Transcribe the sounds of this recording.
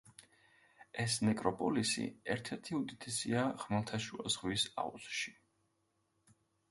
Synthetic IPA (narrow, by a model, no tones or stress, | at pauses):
ɛsnɛkʼɾɔpʼɔlisḭɛɾt̪ʰɛɾt̪ʰiud̪it̪ʰɛsiaʁmalˠt̪ʰaʃuazʁwisa̰ṵzʃi̥